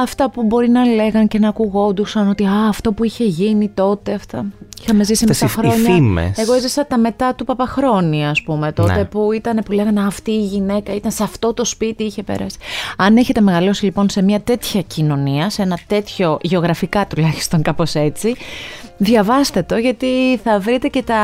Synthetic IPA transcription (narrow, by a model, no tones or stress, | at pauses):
ɐft̪ɐpubo̞ɾinɐle̞ɣɐnce̞nɐːkuɣo̞nd̪usɐno̞t̪iɐːft̪o̞puiçe̞ʝinit̪o̞t̪e̞ɐft̪ɐixɐme̞zisimeɐxɾoɲɐmḛeɣoezɐsɐt̪ɐme̞t̪ɐt̪upɐpɐxɾo̞niɐspume̞t̪o̞t̪e̞puit̪ɐnepule̞ɣɐneɐft̪iːʝine̞kɐit̪ɐnseɐft̪o̞t̪o̞spit̪iiçe̞pe̞̰ɾɐ̰si̥ɐneçe̞t̪e̞me̞ɣɐlo̞silipo̞nse̞mɲɐt̪e̞t̪çɐcino̞niɐseenɐt̪e̞t̪ço̞ʝe̞o̞ɣɾɐfikɐt̪ulɐçi̥st̪o̞ŋkɐpo̞se̞t͡siðʝɐvɐst̪e̞t̪o̞ʝɐt̪iθɐvɾit̪e̞ce̞t̪ɐ